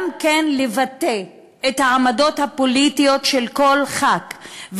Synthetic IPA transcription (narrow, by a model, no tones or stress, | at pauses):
mkenlevate | ethaamado̞thapo̞litijo̞tʃe̞lko̞lχakv